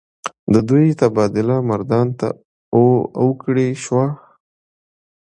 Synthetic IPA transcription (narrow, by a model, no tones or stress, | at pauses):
d̪əd̪ujt̪abɑd̪ɪlamaɾd̪ɑnt̪a̰ | owəkɽeʃwa